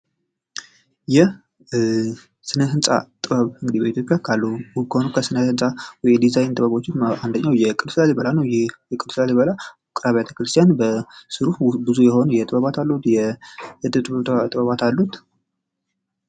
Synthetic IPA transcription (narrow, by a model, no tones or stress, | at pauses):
jɛ | sɨnəɦɨnsʼa̰t̪ʼɨbəβɨŋɡɨd̪ibəit̪jo̞pʼjakʰalːukʰəho̞nukʰəsɨnəɨnsʼawɔjd̪izajnt̪ʼɨβəβo̞t͡ʃːɪnand̪əɲːawjɛkʼɨd̪uslalebəlanəwjɛjɛkʼɨd̪uslalebəla | kʼɾaβjat̪ʰakɾɨst̪ʰijanbəsɨɾubɨzujɛho̞nujɛt̪ʼɨbəβat̪ʰalːut̪jɛɨd̪ɨt̪ʼɨβəβt̪ʼt̪ʼɨβəβat̪ʰalːut̪